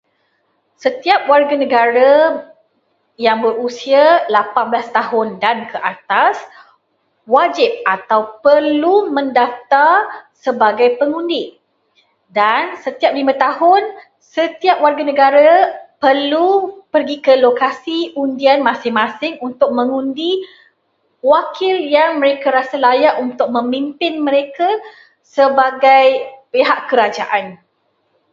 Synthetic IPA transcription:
sət̪iap̚warɡanə̃ɡaɾa | jaŋbəɾusialapanbəlast̪aɦʊndankəʔat̪as | wad͡ʒɪp̚at̪awpərlumə̃ndaft̪arsəbaɡajpəŋundi | dansət̪iap̚limãt̪ahʊn | sət̪iap̚warɡanə̃ɡaɾapərlupərɡikəlokasiundianmãsɪŋmãsɪŋunt̪ʊk̚mə̃ŋundi | wakʰɪljaŋmə̃ɾekaɾasalajaʔunt̪ʊk̚mə̃mimpɪnmə̃ɾeka | səbaɡajpeɦaʔkəɾad͡ʒaʔan

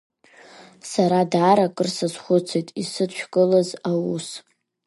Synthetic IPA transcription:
saɾadaːɾakʼɨrsɨzχʷʊt͡sʰejtʼisɨt͡ʃʷᶣkʼɨlazawus

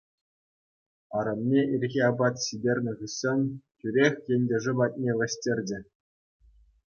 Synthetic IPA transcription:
ɑɾɤmnʲeirʲɣʲiɑbɑt̪ɕidʲerʲnʲɘ̆ʁɯɕːemʲtʲyɾʲexʲjenʲdʲeʐɘ̆bɑt̚ʲnʲeʋʲɘ̆ɕtʲerʲd͡ʑɘ̆

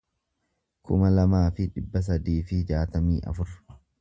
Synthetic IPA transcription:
kʰʊmɐlɐmaːfɪᶑɪbːɐs̬ɐd̪iːfɪd͡ʒaːt̪ɐmḭːʔɐ̰fʊɾ

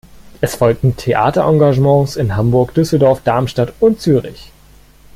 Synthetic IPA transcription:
ʔɛsfɔlk̚tn̩tʰeʔa̰ːtɐʔãŋɡaʒmɑ̃ːsɪnɦambʊɐkd̥ʏsl̩dɔɐfd̥aɐmʃtatʊntt͡syːʁɪ̰ç

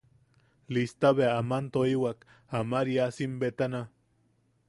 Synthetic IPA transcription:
list̪aβeaːmant̪oiwak | amaɾiasimbet̪ana

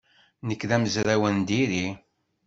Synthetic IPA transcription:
nəkːðæməzɾæwənd̪iɾi

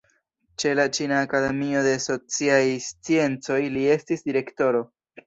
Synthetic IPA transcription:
t͡ʃe̞lat͡ʃinaːkade̞mio̞de̞so̞t͡siajst͡sie̞nt͡so̞jlie̞stisdiɾe̞kto̞ɾo̞

